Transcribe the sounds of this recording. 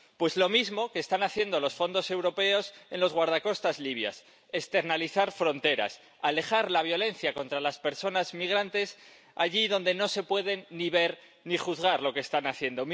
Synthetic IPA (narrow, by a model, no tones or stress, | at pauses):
pwe̞zlo̞mizmo̞keːst̪anaθje̞nd̪o̞lo̞sfo̞nd̪o̞se̞wɾo̞pe̞o̞se̞nlo̞zɣwaɾðako̞st̪azliβ̞ja̰s | ekst̪e̞ɾnaliθaɾfɾo̞nt̪e̞ɾa̰s | ale̞χaɾlaβ̞jo̞le̞nθjako̞nt̪ɾalaspe̞ɾso̞nazmiɣ̞ɾant̪e̞s | aʝiðo̞nd̪e̞no̞se̞pwe̞ð̞e̞nːiβe̞ɾ | niχuθɣaɾlo̞keːst̪anaθje̞nd̪o̞m